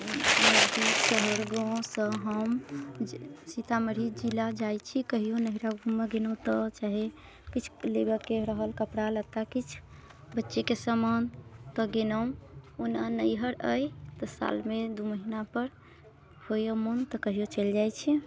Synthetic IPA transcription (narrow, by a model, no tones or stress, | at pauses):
d̪isəɦəɾɡɔ̃sə̃ɦəm | sit̪aməɾ̤id͡ʒilad͡ʒajt͡ʃʰikəɦijonəɦiɾaɡʱũmːeɡenõt̪ɔt͡ʃaɦe | kit͡ʃʰleɡəkeɾəɦəlkəpɽaləɡ̚t̪akit͡ʃʰ | bətːʃekesəmənt̪əɡenəmonanəjɦəɾəjt̪ɔsa̰lmed̪uməɦinapəɾ | hojəmont̪ɔkəɦijot͡ʃəld͡ʒajt͡ʃʰi